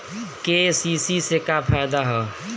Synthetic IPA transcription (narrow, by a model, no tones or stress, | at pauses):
kesisisekapʰajd̪aɦɛ